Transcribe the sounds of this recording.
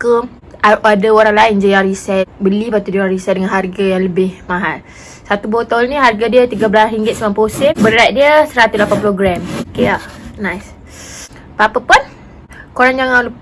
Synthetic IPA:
kə | aadaoɾaŋlaɪnd͡ʒəjarisɛt̪̚bəlipat̪udijãɾisɛt̪̚dəŋanɦarɡajaŋləbɪhmaɦat̪ | sat̪ubot̪aulniɦarɡadiət̪iɡəbəlasɦiŋɡɪt̪̚səmanposɪbəɾajt̪̚diəsəɾat̪uslapanpuloɡɾɛmokeanajs | papəpʊn | koɾaŋd͡ʒaŋal

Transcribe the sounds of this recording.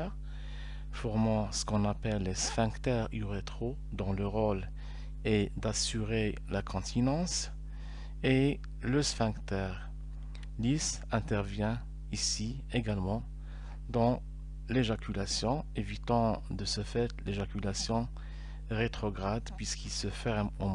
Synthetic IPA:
fɔʁmɑ̃sə̥kɔ̃napɛlːesfɛ̃kt̪ɛʁyʁet̪χo | d̪ɑ̃ləʁɔl | ed̪asyʁelakʰɔ̃t̪ʰinɑ̃s | e | ləsfɛ̃kt̪ɛʁ | lis | ɛ̃t̪ɛʁvjɛ̃ | isi | eɡalmɑ̃ | d̪ɑ̃ | leʒakʲʰylasjɔ̃evit̪ɑ̃d̪əsəfɛt̪leʒakʲylasjɔ̃ | ʁet̪χɔɡʁad̪pɥiskilsəfɛʁmɔ̃

